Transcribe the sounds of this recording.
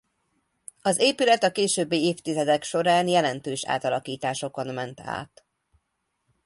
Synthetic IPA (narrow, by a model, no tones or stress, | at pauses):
ɒzeːpylɛt̪ɒkeːʃøːbːiːeːft̪izɛd̪ɛkʃo̞ɾaːnjɛlɛnt̪øːʃa̰ːt̪ɒlɒkiːt̪aːʃo̞ko̞nmɛnt̪a̰ːt̪